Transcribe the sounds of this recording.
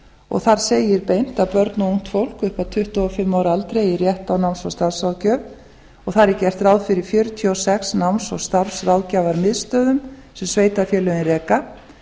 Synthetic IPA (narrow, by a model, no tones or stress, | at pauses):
ɔ̰ɣθaɾ̥seːjɪɾpejn̥t̪aðpœɾt̪nuuŋ̥t̪fowl̥kʏhpat̪ʰʏht̪ɔɔfɪmːaːwɾɪalt̪ɾejirjɛht̪awnawnsɔwst̪aɾ̥srawcœːv | ɔɣθaɾɪcɛr̥t̪rawðfɪɾɪɾ̥fjʏɾʏt̪ʰiɔwsɛksnawnsɔwst̪aɾfsrawcaːvaɾmɪðst̪œːðʏm | sɛmsveːjt̪aɾfjɛːlœðɪnrɛːka